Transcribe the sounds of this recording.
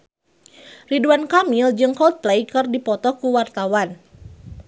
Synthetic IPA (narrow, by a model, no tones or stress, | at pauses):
riduankamild͡ʒɨŋkɔlt̪̚plejkɨrdipɔt̪ɔkuwart̪awan